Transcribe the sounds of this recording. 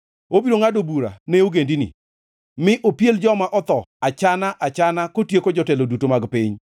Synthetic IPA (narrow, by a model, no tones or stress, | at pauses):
obiɾoŋadobuɾa̰neoɡendinḭ | mɪʔopjeld͡ʒɔmaʔɔt̪ɔat͡ʃanaʔat͡ʃanakotjekod͡ʒɔtɛlodutomaɡpɪɲ